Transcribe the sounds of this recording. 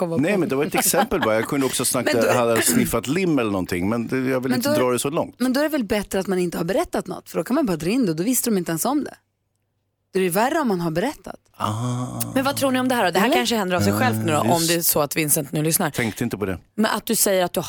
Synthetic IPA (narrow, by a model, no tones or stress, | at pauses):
kɔmnɛjmɛnd̪ɛvaɾɛt̪ɛksɛmpəlbɑɾajɑːkʰɵnd̪əɔksɔsnakahad̪əsnɪfːat̪lɪmːɛlːəɳnɔnt̪ʰɪŋːmɛnd̪ɛjɑɡvɪlːmɛnd̪d̪ɾɑːd̪ɛsɔlɔ̰ŋt̪mɛɛnd̪ɔæɾɖɛvɛlbɛt̪ɾəat̪manɪnt̪əhaɾbɛɾɛt̪ːat̪nɔ̰t̪ːfœɖɔkʰanmajbɑːɾad̪ɾɪnd̪ɛd̪ɔvɪst̪əd̪ɔmɪnt̪ɛnsɔmd̪ɛ̰ | d̪̥ɔæɾɾjʉværːəɔmːanɦaɾbɛɾɛt̪ʰːa̰t̪ | mɛnvat̪ʰɾuːɳɪɔmd̪ɛæːɾɔd̪ɛhæɾkʰanʂəhɛnd̪əɾavsɛjɧɛlft̪nʉːɾa̰ʔɔmmd̪ɛæsɔat̪vɪnsɪnt̪ənʉ̟ːlʏsnaɾt̪ʰɛŋk̚t̪əɪnt̪əpʰɔd̪ɛ̰ | mɛnʔa̰t̪̚d̪ɵsɛjːəɾat̪̚d̪ɵ